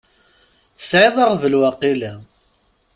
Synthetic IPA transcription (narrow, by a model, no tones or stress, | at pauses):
θə̥sʕɪðˤɑʁvəlwɑqːilæ